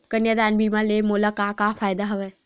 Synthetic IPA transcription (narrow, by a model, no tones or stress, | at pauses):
kənjad̪aːnbiːmãlemoːlakakafʰaːjd̪aɦɐʋe